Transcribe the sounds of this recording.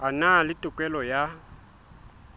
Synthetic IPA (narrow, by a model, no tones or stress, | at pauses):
analɪtʼʊkʼwɛlɔja